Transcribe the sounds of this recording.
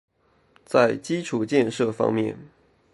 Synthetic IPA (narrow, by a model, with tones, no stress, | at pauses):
t͡sa˥˩ɪt͡ɕi˥ʈ͡ʂʰu˨˩˦t͡ɕjɛ˥˧nʂɤ˥˩fɑ̰˥ŋmjɛ̰˥˩n